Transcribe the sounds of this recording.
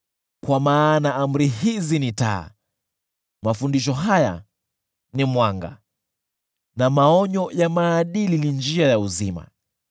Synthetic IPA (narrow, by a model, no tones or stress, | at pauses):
kwamaːnaʔam̩ɾiɦizinita̰ː | mafundiʃ̬ɔɦaja̰ | nimwaŋɡa̰ | namaɔɲɔjamaːɗililind͡ʒiajauzima̰